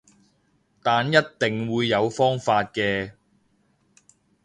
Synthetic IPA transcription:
t̪aː˨njɐ˥t̚t̪ɪ˨˩ŋwuː˨˧jːɐ˨˧wfɔː˥ŋfaː˧t̚kɛː˧

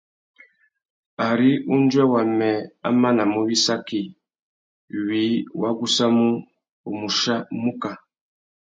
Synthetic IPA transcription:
a˨ɾi˦u˦n˦d͡ʒwɛ˦wa˨mɛ˨a̰˦ma˦na˨mu˦wi˦sa˦ki˨ | wi˨˦wa˦ɡu˦sa˦mu˦ | u˨mu˨ʃa˦mu˦ka˨

